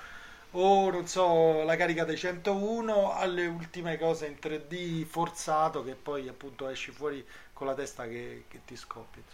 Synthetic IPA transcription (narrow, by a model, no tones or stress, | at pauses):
ononsɔlakaːɾikad̪ejt͡ʃɛnt̪ouːnoalːeult̪imekɔːzeint̪ɾed̪ːifort̪saːt̪ok̟epːɔjapːunt̪oɛʃːifwɔːɾikonlːat̪ɛst̪ak̟eket̪ːiskɔpːi